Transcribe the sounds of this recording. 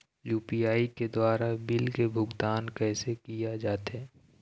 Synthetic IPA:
juːpiaːiked̪waːɾabɪlkebʱʊɡt̪aːnkɛːsekijad͡ʒaːt̪ɛː

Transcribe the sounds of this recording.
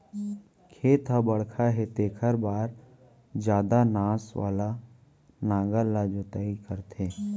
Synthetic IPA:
kʰeːt̪ɦabəɽkʰaɦet̪eːkʰəɾbaːɾ | d͡ʒjaːd̪anaːswa̰ːla | nãːɡalad͡ʒot̪aːikəɾt̪ʰeː

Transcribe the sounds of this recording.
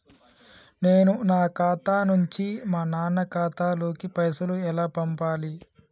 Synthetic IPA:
ne̞ːnunaːkaːt̪aːnuɲt͡ʃimaːnaːnɐkaːt̪aːlo̞ːkipɐjɐsɐluɛlaːpɐmpaːli

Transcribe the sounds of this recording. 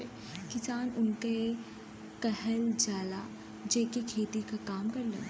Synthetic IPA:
kɪsaːnʊnke | kɛhəld͡ʒaːla | d͡ʒeːkekʰeːt̪ikakaːmkɐɾlḛ

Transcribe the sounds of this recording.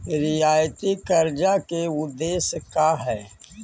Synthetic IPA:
ɾɪjaːjt̪ikəɾd͡ʒakeʊd̪ːeːskaɦɛː

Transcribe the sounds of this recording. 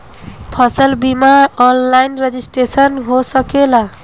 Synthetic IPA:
pʰʌsʌlbimaʌnlajnred͡ʒisʈɾesʌnɦosʌkela

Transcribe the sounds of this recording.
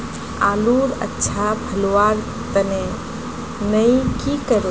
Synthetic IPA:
a̰luɾə̰tːʃʰapʰəluwaɾ | t̪əne | nəjkikəɾ

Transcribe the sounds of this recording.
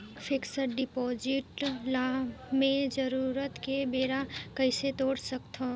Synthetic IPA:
pʰiksəɾɖipɔd͡ʒɪʈlamẽd͡ʒəɾuɾət̪kebeːɾakəɪset̪oːɽsəkt̪ʰo

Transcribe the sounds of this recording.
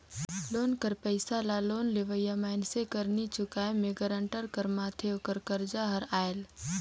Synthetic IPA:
loːnkəɾpəɪsalaloːnleʋəjamaːɪnsekɐɾnit͡ʃʊkaːemẽɡəɾəɳʈəɾkɐɾmaːt̪ʰeokəɾkɐɾd͡ʒaɦɐɾaːjl

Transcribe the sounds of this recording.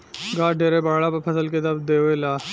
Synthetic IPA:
ɡaːɖʱeːɾebaːɦɭapɐpʰɐsəlked̪ɐbd̪eːelaː

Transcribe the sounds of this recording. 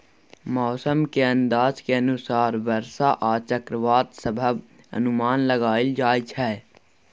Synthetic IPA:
mɔːsəmkeə̃nd̪aːzkeɐnʊsaːɾʋəɾʃaʔaːt͡ʃəkɾəʋaːt̪səbʱəb | ə̰nʊmaːnləɡaːɪld͡ʒaːit͡ʃʰɛː

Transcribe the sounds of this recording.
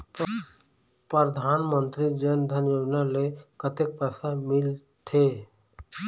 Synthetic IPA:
pəd̪ʱaːnmə̃nt̪ɾid͡ʒənd̪ʱənjod͡ʒnalekət̪ek̚pɛːsamɪl | t̪ʰe

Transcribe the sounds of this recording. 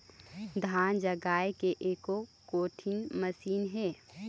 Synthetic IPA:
d̪ʱaːnd͡ʒəɡaːekeʔeːkokoːʈʰɪnməsiːnɦɛː

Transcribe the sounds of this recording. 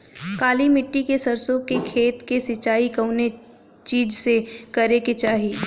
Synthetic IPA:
kaːlimɪʈːikesɐɾsõkekʰeːt̪kesɪt͡ʃaːikɐʊne | t͡ʃiːd͡ʒsekɐɾeket͡ʃaːɦiː

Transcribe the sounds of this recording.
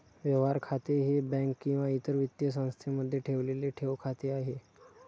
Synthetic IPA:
ʋjəʋaɾkʰat̪eɦebɛ̃ŋkːĩw̃ʋait̪əɾʋit̪jəs̬ãw̃st̪ʰiməd̪ʱjeʈʰeʋleleʈʰeʋkʰat̪eaɦe

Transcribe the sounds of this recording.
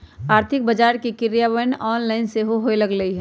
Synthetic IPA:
aːɾt̪ʰɪk̚bəd͡ʒaːɾkikɪɾjaʋənɔːnlaːɪnseɦoɦoelɐɡləiɦɛ

